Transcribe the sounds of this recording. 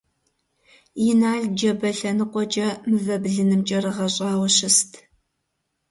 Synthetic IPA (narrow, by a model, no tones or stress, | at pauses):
jɪnaːɮd͡ʒɐbɐɬɐnɨqʷʼɔt͡ʃʼɐmɨvɐbɮɨnɨmt͡ʃʼɐɾɨʁɐɕʼɑːwɐɕɪstʰ